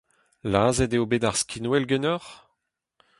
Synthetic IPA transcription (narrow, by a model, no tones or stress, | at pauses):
laːzɛdeobed̪aʁskʰinwɛlɡɛnœʁ